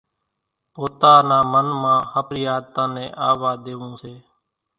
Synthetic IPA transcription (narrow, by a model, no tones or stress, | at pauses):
poːt̪aːnãːmənmãːhəpɾɪjaːd̪t̪ãːnẽːʔaːʋaːd̪eːʋũːseː